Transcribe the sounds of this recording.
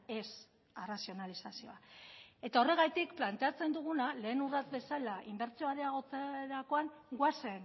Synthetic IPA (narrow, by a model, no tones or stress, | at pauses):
e̞s | arasio̞nalisasio̞ae̞t̪ao̞re̞ɣ̞ajt̪ikplant̪e̞at͡se̞nd̪uɣ̞unale̞ːnurat͡s̪be̞salaʔimbe̞ɾt͡sioaɾeaɣo̞t͡seɾako̞aŋɡwasen